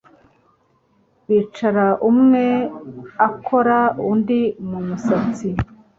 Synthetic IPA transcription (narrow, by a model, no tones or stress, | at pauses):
βiːt͡ʃaɾaʔumŋe̞akʰo̞ɾaundimumusat͡si